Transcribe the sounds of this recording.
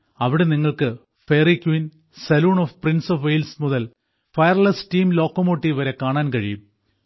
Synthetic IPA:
ɐʋiɽeniŋːɐɭkɨ | feːrikːwin | sɐluːɳofprinsofʋejlsmuðɐl | fɐjɐrlɐsʈiːmlo̞ːkːomoːʈːiʋɐɾe̞kaːɳaːnkɐɻijum

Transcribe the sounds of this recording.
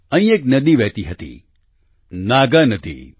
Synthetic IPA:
ɐ̃ĩek̚nɐd̪iʋɛːt̪iɦɐt̪ḭ | naːɡanɐd̪ʱḭː

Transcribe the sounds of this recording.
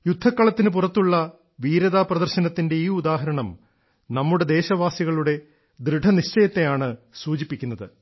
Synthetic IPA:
jud̪ʱːɐkːɐɭɐt̪ːinɨp̬urɐt̪ːuɭːɐ | ʋiːɾɐðaːprɐðɐrɕɐnɐt̪ːinde̞iːud̪aːɦɐɾɐɳɐm | nɐmːuɽe̞d̪e̞ːɕɐʋaːsiɣɐɭuɽe̞ | d̪ɾɨɖʱɐniɕt͡ɕɐjɐt̪ːe̞jaːɳɨsuːt͡ɕipːikʲːunːɐðɨ

